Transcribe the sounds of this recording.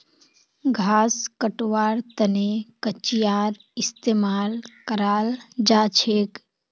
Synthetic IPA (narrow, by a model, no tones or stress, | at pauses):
ɡʱaːskəʈʋaːɾt̪ənekət͡ʃijaːɾ | ɪst̪eːmaːlkəɾaːld͡ʒaːt͡ʃʰeːk